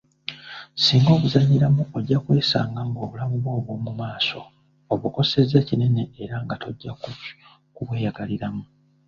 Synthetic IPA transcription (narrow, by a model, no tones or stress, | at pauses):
siːŋɡo̞ːβuzaɲːiɾamuoɟːakwe̞ːsaːŋɡaŋɡo̞ːβulamuβwo̞ːβwo̞ːmumaːso̞̰ | oβuko̞se̞ze̞cine̞ne̞ːɾaŋɡato̞ɟːak | kuβwe̞ːjaɡaliɾamu